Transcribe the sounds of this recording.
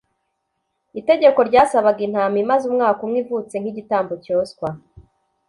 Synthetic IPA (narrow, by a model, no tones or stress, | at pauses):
ite̞ɟe̞ko̞ɾɟaːsaβaɡin̥hamimazumŋaːkumŋwiːvut͡se̞ŋ̥hiɟitaːmbocoːskwa